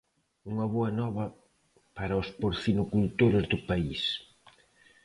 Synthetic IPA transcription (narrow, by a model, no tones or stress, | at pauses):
uŋɐβoɐnɔβɐ | paɾɐospoɾθinukult̪oɾʊzdʊpais